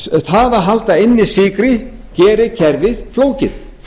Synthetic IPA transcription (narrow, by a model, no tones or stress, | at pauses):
θaːðaɦalt̪aɪnːɪsiːkɾɪ | cɛːɾɪcʰɛɾðɪðfloːwcɪθ